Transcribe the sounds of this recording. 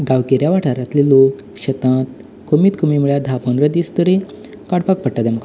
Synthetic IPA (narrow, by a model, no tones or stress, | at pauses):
ɡawkeɾjaʋaʈʰaɾat̪lilok | ɕət̪ãt̪ | komit̪komimuɭjad̪ʱapənɾəd̪ist̪əɾi | kaɽpak̚pəɽʈːad̪aməka